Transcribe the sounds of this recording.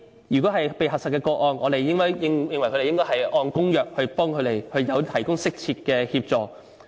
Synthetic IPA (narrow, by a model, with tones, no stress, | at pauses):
jyː˨kɔː˨˥hɐ˨jpe˨jɦɐ˨t̚sɐ˨kːɛː˧kɔː˧k̚ʔɔː˧nʔɔː˨˧ɾe˨jːɪ˥ŋkɔː˥jjɪ˨˧ŋjɪ˨ŋwɐ˨˩kʰɵ˧ɾe˨jɪ˥ŋkɔː˥hɐ˨jʔɔː˧nkʊ˥ŋjœː˨k̚hɵ˧ɥpɔː˥ŋkʰɵ˨˧t̪e˨˩jhɵ˧ɥjɐ˨˧wt̪ʰɐ˨˩jkʊ˥ŋsɪ˥k̚t͡sʰiː˧t̚kɛː˧hiː˧p̚t͡sɔː˨